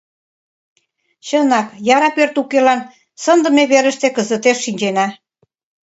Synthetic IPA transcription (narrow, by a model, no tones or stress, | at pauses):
t͡ɕənɑkjɑɾɑpørt̪ukelɑn | sənd̪ə̆meβeɾə̆ʃt̪ekəzə̆t̪eʃːinʲd͡ʑenɑ